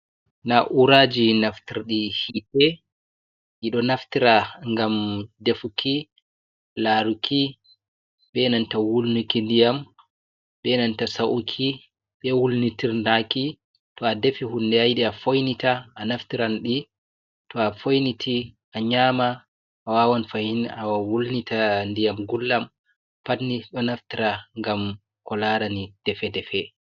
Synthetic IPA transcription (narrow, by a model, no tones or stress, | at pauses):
naʔuɾad͡ʒinaftiɾɗihitɛ | ʔiɗɔnaftiɾaŋɡamdefukʰi | laːɾukʰi | ɓɛnantawulnukindijam | ɓɛnantasaʔukʰi | ɓɛwulnitiɾnaki | tɔadefihundɛajɗɛafojnitaːnaftiɾanɗi | tɔafojnitʰi | aɲamaː | wawanfahinawawulnitʰandijamɡulːam | patnːiɗɔnaftiɾaŋɡam | kɔlaɾanid̥ɛfɛdɛfɛ